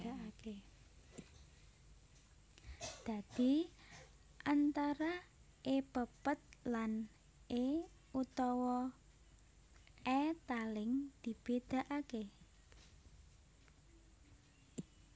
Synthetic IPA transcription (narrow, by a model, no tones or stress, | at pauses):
aake | d̪̥a̤d̪̥i̤ | ʔant̪aɾa | ʔepəpət̪̚lan | e | ut̪ɔwɔ | ʔɛt̪alɪŋd̪̥i̤b̥ed̪̥a̤ʔake